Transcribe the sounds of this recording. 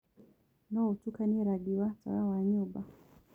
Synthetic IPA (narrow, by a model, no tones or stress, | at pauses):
nɔut͡ʃukaniɾaɡiwat͡sa̰awaɲuba